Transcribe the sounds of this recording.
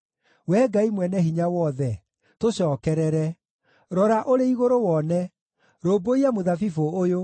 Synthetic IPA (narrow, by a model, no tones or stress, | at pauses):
wɛɡaimwɛnɛhiɲawɔðɛ | toɕɔːkɛɾɛɾɛ | ɾɔɾaʔoɾeiɣoɾowɔnɛ | ɾoːboiamoðafifoːjo